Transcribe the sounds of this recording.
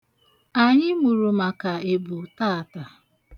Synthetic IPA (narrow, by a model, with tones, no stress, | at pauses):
a˨ɲɪ˦mu˨ɾu˨ma˨ka˨e˨bu˨ta˦˨ta˨